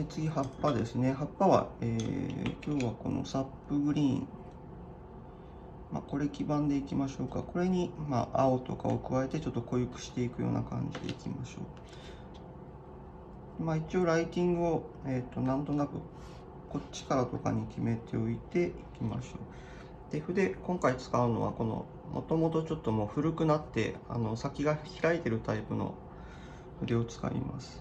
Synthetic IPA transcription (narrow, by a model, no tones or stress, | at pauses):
et͡sɨɡʲihapːad̪e̞sɨne̞ɦapːaβa̰ḛːkʲo̞ːβako̞̰no̞̰sapːɯ̟ɡɯ̟ɾʲĩ | ma̰ko̞ɾe̞kʲibãnd̪e̞ikʲimaɕo̞ːkako̞ɾe̞ɲ̟ima̰ʔao̞t̪o̞ka̰o̞̰kɯ̟βae̞t̪e̞t͡ɕo̞t̪ːo̞ko̞jɯ̟kɯ̟̥ɕi̥t̪e̞ikɯ̟jo̞̰ːna̰kã̰ɲ̟d͡ʑid̪e̞̰ikʲimaɕo̞̰ː | d̪emait͡ɕio̞ɾait̪ʲĩŋɡɯ̟o̞et̪ːo̞nãnt̪o̞nakɯ̟ | ko̞t͡ɕːi̥kaɾat̪o̞ka̰ɲ̟ikʲime̞t̪ʰe̞o̞it̪e̞ikʲima̰ɕo̞ː | d̪̥e̞ɸɯ̟d̪e̞kõ̞ŋkait͡sɨ̥kaɯ̟no̞βa̰ko̞no̞̰ | mʔo̞̰t̪o̞mo̞t̪ot͡ɕo̞t̪ːo̞mo̞ːɸɯ̟ɾɯ̟kɯ̟nat̪ːe̞̰a̰no̞sakʲiɡaçiɾait̪e̞ɾɯ̟t̪aipɯ̟no̞̰ | ɸɯ̟d̪e̞o̞t͡sɨ̥ka̰ḭma̰sɨ̥